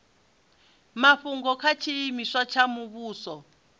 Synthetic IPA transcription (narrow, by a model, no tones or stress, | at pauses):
maɸuŋɡɔkʰat͡ʃʰijimiʂat͡ʃʰamuβuːsɔ